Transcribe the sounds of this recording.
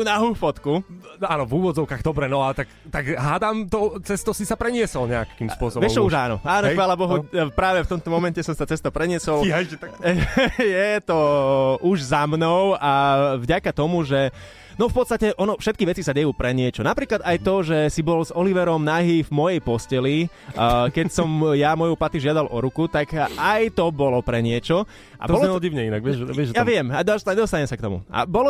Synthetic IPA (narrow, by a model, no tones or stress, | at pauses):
t̪unaɦuːfɔt̪kuaːnɔvuːʋɔd͡zɔʊkaːɣd̪ɔbɾɛnɔat̪akt̪aɡɦaːd̪amt̪ɔt͡sɛst̪ɔsisapɾɛɲɪɛsɔlɲɛakimspʊɔsɔbʋɛt͡ʃɔuʒaːnɔ̰aːnɔxʋaːlabɔɦupɾaːʋɛft̪ɔmt̪ɔmɔmɛncɛsɔmsat͡sɛst̪ɔpɾɛɲɪɛsɔlɛɛjɛt̪ɔʔuʒzamnɔʊavɟakat̪ɔmuʒɛ | nɔfpɔt̪st̪acɛʔɔnɔfʃɛt̪kiʋɛt͡sisaɟɛjuːpɾɛɲɪɛt͡ʃɔnapɾiːklad̪ajt̪ɔʒɛsibɔlzɔliʋɛɾɔmnaɦiːvmɔjɛjpɔscɛli | kɛcsɔmjamɔjupat̪iʒɪad̪alʔɔɾukut̪akʔajt̪ɔbɔlɔpɾɛɲɪɛt͡ʃɔ | a̰b̪ɔɛɔɟiʊɲɛinaɡʋɪɛʒʋɪɛʒjaʋɪɛmad̪ɔɲɛd̪ɔst̪aɲɛmsak̚t̪ɔmṵʔa̰bɔlɔ